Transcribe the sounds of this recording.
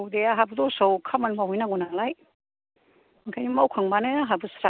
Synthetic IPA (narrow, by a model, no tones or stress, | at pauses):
deaɦabudosowkʰamanbawijnaɡunaŋlaj | kʰanimawkʰɯŋbanɯnaɦabɯsɾa